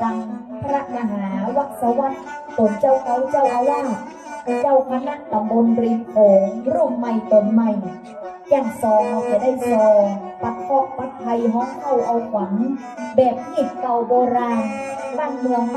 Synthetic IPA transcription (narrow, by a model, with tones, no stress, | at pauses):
ta˧ŋpʰɾa˦˥ʔma˧ɦaː˩˦wa˦˥˩k̪̚sa˧˥wa˦˥t̪̚ | t̪o˨˩˦nt͡ɕa˥˩wkʰa˨˦˥wt͡ɕa˥˩wʔa˧waː˥˩ŋ | t͡ɕa˧˥˩wkʰa˧˥na˦˥˩ʔ̚t̪a˨mbo˧nɾiː˧˩pʰoː˨˦ŋɾu˥˩əŋma˧˩jt̪o˨˩nma˧˩j | ja˧˩ŋsɔː˧ŋʔa˧˩w̚t͡ɕa˧˩da˥˩jsɔː˧pa˦˥k̪̚hɔ˧˥˩ʔ̚pa˦˥t̚ʰːa˧jɦɔː˦˥ŋha˥˩wʔa˧wkʰwa˩˦ŋ | bɛː˨˩p̚ki˨˩t̪̚ka˧wboː˧ɾaː˧nbaː˥˩ŋmɯ˧əŋ